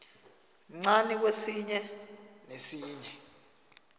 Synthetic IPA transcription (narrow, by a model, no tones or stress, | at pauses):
ŋ͡ǀanik̬wesiɲɛ | nesiːɲɛ